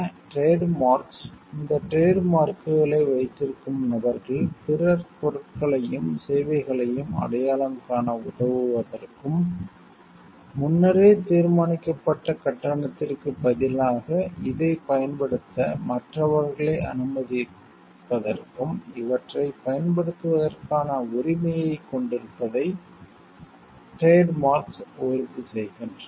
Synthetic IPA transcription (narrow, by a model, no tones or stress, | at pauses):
ʈɾeːɖmaːɾksɪnd̪ɐʈɾeːɖmaːɾkɯɣɐɭɐɪʋɐɪt̪ːɪɾɯkːɯmnɐbɐɾɣɐɭpɪrɐɾkɔrɯʈkɐɭɐjɯmseːʋɐɪɣɐɭɐjɯmɐ̰ɽɐjaːlɐmkaːnɐʊðɐʋɯʋɐðɐrkɯm | ʊnːɐɾeːt̪iːɾmaːnɪkːɐpːɐʈːɐkɐʈːɐɳɐt̪ːɪrkɯpɐðɪlaːɣɐɪðɐɪpɐjɐnpɐɽɯt̪ːɐmɐʈrɐʋɐɾɣɐɭeɐ̰nɯmɐðɪ | pːɐðɐrkɯmɪʋɐʈrɐɪpɐjɐnpɐɽɯt̪ːɯʋɐðɐrkaːnɐʊɾɪmɐjɐɪkːɔɳɖɪɾɯpːɐðɐɪ | ʈeːɖmaːɾksɔjɾt̪isɛjɣɪndrɐ